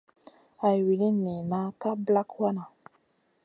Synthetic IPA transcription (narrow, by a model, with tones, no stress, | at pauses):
a˨wi˨lĩ˦nĩ˨nã˦ka˦bla˦ku˦a˦nã˨